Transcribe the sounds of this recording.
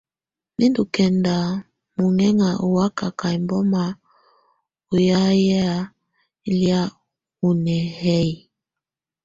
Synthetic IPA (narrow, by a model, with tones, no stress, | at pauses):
ni˦ndu˨kɛ˨nda˨ | mu˨ŋɛ˦ŋa˨ʔu˨wa˦ka˨ka˨i˨mbɔ˦ma˨ | u˨ja˦ja˦ | i˦li˦a˦ | u˨nɛ˨hɛ˦i˨